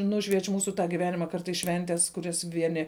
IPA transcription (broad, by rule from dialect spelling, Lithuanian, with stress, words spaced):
ˈnʊʃʲʋʲiɛt͡ʃʲ ˈmuːsʊ ɡʲɪˈʋʲæːnʲɪmɐ ˈkɐrtɐɪs ˈʃʲʋʲɛnʲtʲɛs kʊˈrʲɛs ˈʋʲiɛnʲɪ